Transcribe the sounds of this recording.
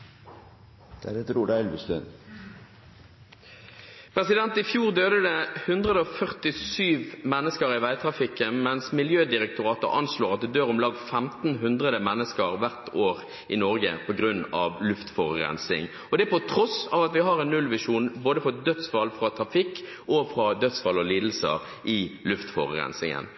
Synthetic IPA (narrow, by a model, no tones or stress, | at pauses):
d̪̥æɾɛt̪əɾuːɾæɛlʋəst̪øn | pʰʁɛsɪd̪ɛnt̪ɪfjuːʁd̪øːd̪əd̪əhʉnd̪ʁəd̪əɔfœʁt̪ɪsyːʋmɛnːəskəɾɪʋæɪt̪ʰɾɑfɪkːənmɛnsmɪljøːd̪ɪɾɛk̚t̪ʊʁɑːt̪ə̰ɾɑ̰nsloːʁɑt̪̚d̪ɛd̪øːʁɔmlɑːɡfɛmt̪n̩ɦʉnd̪ʁəd̪əmɛnːəskəʁʋæʁt̪ʰoːʁ | ɪnɔʁɡə̰pʰɔɡɾʉnːɑ̰ʋlʉft̪fɔʁʁɛ̰nsɪ̰ŋ | ɔd̪ɛpɔt̪ʰɾɔsɑ̰ʋɑt̪ʋɪɦɑʁɛnːʉlʋɪʂuːnboːd̪əfɔd̪œt̪sfɑlfɾɑt̪ʰɾɑfɪkː | ʔɔfʁɑd̪œd̪sfɑlːɔliːd̪l̩sə̰ | ʔɪlʉft̪fɔ̰ʁʁɛ̰nsɪ̰ŋə̰n